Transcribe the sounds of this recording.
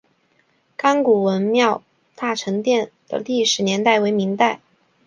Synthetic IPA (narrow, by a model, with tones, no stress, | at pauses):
ka˥ŋku˨˩wə˧˥nmjɑ˥˧ʊ | t̪a˥˩ʈ͡ʂʰɤ˧˥ŋt̪jɛ˥˩nd̪̥ə̰˨li˥˩ʂɻ̩˧˥njɛ˧˥nt̪a˥˩ɪwe˧˥ɪmi˧˥ŋt̪a˥˩ɪ